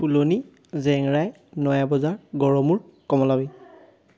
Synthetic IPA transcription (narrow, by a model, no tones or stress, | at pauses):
puloni | zɛŋɹaj | nɔjabɔzaɹɡɔɹɔmuɹkɔmɔlabi